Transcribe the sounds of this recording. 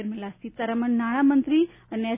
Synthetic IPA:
ɾmilasit̪aɾaməɳnaɽ̃amənt̪ɾi | əne

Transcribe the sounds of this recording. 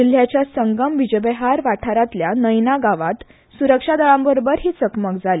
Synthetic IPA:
il̤ːjat͡ɕjasəŋɡəmbid͡ʑebeɦaɾʋaʈʰaɾat̪ljanəjnaɡaʋat̪ | suɾəkʂad̪aɭãmbəɾobəɾɦiːt͡səkmək̚d͡zʱali

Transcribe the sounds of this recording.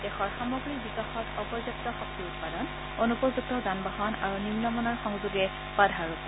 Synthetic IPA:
dɛxɔɹxamɔɡɹikbikaxɔtɔpɔɹzuktɔxɔkiʊt̚padɔn | onupɔzuk̚tɔzanbaɦɔna̰ɹuninɔmɔnaɹxɔŋzuɡɛ | padʱaɹuk

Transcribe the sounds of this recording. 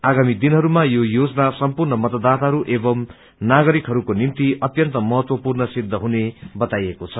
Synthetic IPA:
aɡamid̪inɦʌɾumajojod͡zʌnasʌmpurnʌmʌt̪ʌd̪at̪aɦʌɾuʔebʌm | naɡʌɾikɦʌɾukonimt̪iʌt̪jʌnt̪ʌmʌɦʌt̪wʌpurnʌsid̪ʱːʌɦunebʌt̪ajekot͡sʰʌ

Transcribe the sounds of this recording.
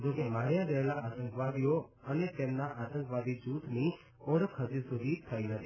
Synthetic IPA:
d͡ʒoːkemaːɾjãɾəelaʔaːt̪ə̃ŋkʋad̪ijoənet̪eːmnaʔaːt̪ə̃ŋkʋaːd̪id͡ʒuːt̪ni | oːɽəkʰəd͡ʒisʊd̪ʱit̪ʰəiɦət̪i

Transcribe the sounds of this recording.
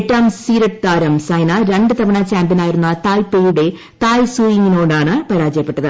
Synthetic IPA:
ʈːaːmsiːɾɐʈt̪aːɾɐmsɐjnɐɾe̞ɳɖɨt̪ɐmɐɳɐt͡ɕaːmbjɐnaːjiɾunːɐt̪aːlpejuɽe̞ | t̪aːjsuːjiŋːinoːɖaːɳɨpɐɾaːd͡ʑɐjɐpːeʈːɐðɨ

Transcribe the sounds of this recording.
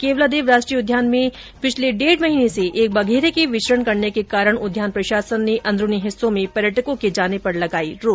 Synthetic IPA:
keːʋlad̪eːʋɾaːʃʈɾiːʊd̪ʱjaːnmẽ | pɪt͡ʃʰleɖeːɽmɐɦiːneseʔeːk̚bɐɡʱeːɾekiʋɪʃɾəɳkɐɾnekekaːɾəɽ̃ʊd̪ʱjaːnpɾɐʃaːsənːeʔɐ̃nd̪ɾʊniɦɪsːõmẽpɐɾjəʈʰəkõked͡ʒaːnepɐɾlɐɡaːḭɾoː

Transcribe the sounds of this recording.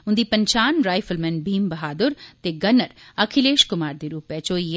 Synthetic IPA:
ʊ̃nd̪iːpɐɲt͡ʃaːnɾaːjfəlmɛ̃nbʱiːmbɐɦaːd̪ʊɾt̪eɡɐnːɐɾɐkʰileːʃkʊmaːɾd̪iɾuːpɛt͡ʃoːj

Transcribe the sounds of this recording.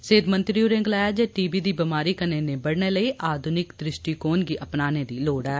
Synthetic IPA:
seːd̪mə̃nt̪ɾiuɾẽŋɡlaːad͡ʒɛːʈiːbiːd̪iːbɪmaːɾiːkəneːnẽːbəɽneːləiːʔaːd̪ʱʊnɪkd̪ɾɪʃʈiːkoːnɡiːʔəpnaːneːd̪iːloːɽɛː

